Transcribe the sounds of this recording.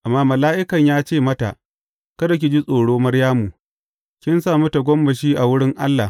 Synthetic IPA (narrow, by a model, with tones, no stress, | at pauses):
ʔa˨mːaː˦mɐ˨laː˦ʔɪ˦kɐ˨ɲjaː˦t͡ʃeː˦˨mɐ˦ta̰˨ʔ | kɐ˦dɐ˨k̬ʲi˨d͡ʒi˦sʼoː˨ɽoː˦mɐ˦ɽjaː˦mu˨ | kʲɪ˦nsaː˦˨mu˦ta˨ɡʷɔ˦mbɐ˨ʃiː˦ʔa˨wʊ˦ɽɪ˦ŋʔa˦lːa˨